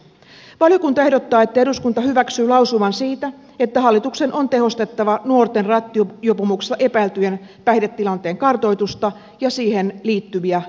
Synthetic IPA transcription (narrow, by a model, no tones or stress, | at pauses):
ʋɑljokunt̪ɑe̞ɦdot̪ːɑːe̞t̪ːæeɾuskunt̪ɑhyʋæksyːlɑusumɑnsiːt̪æ | e̞t̪ːæɦɑlːit̪ukse̞nʔont̪e̞ɦo̞st̪e̞t̪ːɑʋɑnuo̞rt̪e̞nrɑt̪ːiojopomukst̪ːɑʔe̞pæilt̪yjen | pæjdet̪ːilɑnt̪e̞ːŋkɑrt̪o̞jt̪ust̪ɑ | jɑsiːhe̞nliːt̪ːyʋiæ